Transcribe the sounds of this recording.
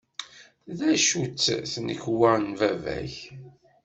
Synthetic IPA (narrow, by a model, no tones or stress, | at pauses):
ðæʃut͡sːθnəçwaɾnvævæ̰ç